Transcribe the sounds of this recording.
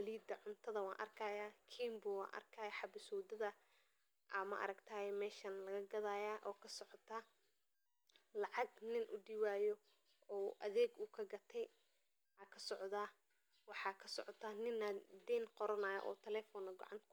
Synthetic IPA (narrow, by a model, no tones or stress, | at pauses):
wɐliːd̪ɐʕʊnt̪ʰɐðɐwɑ̰ːnʔɐ̰rkʰɐjaːkʰiːmbʊwɑ̰ːnʔɐ̰rkʰɐːjɐħɑbɪsɔːd̪ɐðɐ | ʔɐmɐ̰ʔɐ̰ɾɐɡt̪ʰaːjɛmɛːʃɐnlɐɣɐɡɐðaːjaːʔɔːkʰɐsɔʕɔt̪ʰa | lɑʕɑɡnɪnʔʊ̰ɖiwaːjɔ | ɔːʔɐðɛːɡuːkʰɐɡɐt̪ʰɛj | akʰɐsɔʕðaː | wɑħɑːkʰɐsɔʕɔt̪ʰɐːnɪnːɐd̪ɛːnqɔɾɐnaːjɐ̰ʔɔ̰ːt̪ʰɛlɛːfɔnɐɡɔ̰ʕɑ̰nt̪kʰ